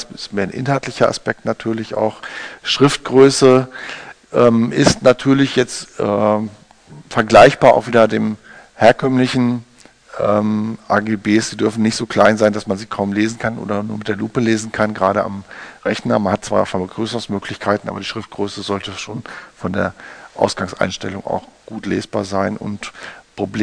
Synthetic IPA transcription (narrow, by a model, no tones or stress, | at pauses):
sɪstmeːɐnʔɪ̰nɦaltlɪçɐa̰spɛk̚tnatʰyːɐlɪça̰ʊxʃʁ̥ɪft̚ɡ̥ʁøːsə | ʔɛːmʔɪstnatʰyːɐlɪçjɛt͡stʔɛː | fɛɐɡlaɪçb̥aːɐʔa̰ʊxviːdɐdeːm | heːɐkʰœmlɪçn̩ | ʔɛːmʔaːɡeːbeːsz̥iːdʏɐfn̩nɪçtz̥oːkʰl̥aɪnzaɪndasmanziːkʰaʊmleːzn̩kʰanʔo̰ːdɐnuːɐmɪt̚d̥eːɐluːpəleːzn̩kʰanɡʁaːɾəa̰mʁɛçnɐmanhat̚t͡sv̥a̰ːfabəɡʁyːsəʁʊŋsmøːklɪçkʰaɪtn̩ʔa̰ːbɐdiːʃʁ̥ɪft̚ɡ̥ʁøːsəzɔltəʃoːnfɔndḛːɐʔa̰ʊsɡ̥aŋsʔa̰ɪnʃtɛlʊŋa̰ʊxɡ̥uːtlḛːsb̥aːɐzaɪnʔʊ̰ntpʁ̥ob